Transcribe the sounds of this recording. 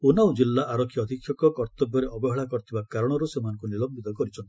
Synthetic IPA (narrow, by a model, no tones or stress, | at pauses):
unawd͡ʒilːaʔːɾɔkʰjiɔd̪ʱikʰːjɔkɔkɔɾt̪ɔbjɔɾeʔɔbɔɦeɭakɔɾt̪ʰibakaɾɔɽ̃ɔɾusemanɔ̃ŋkunilɔmbit̪ɔkɔɾit͡ʃʰɔnt̪i